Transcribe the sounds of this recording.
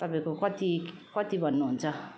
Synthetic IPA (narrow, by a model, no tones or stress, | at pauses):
t̪abekokʷat̪i | kʷat̪ibanont͡sa